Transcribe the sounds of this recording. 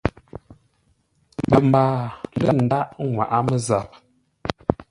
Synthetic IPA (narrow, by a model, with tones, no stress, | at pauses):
bə˨mbaː˨lə˦n̩˨da˦ʔŋwa̰˨ʔa˦mə˦za˨p̚